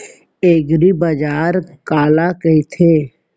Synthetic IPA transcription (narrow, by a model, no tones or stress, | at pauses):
eːɡɾibəd͡ʒaːɾkaːlakəit̪ʰeː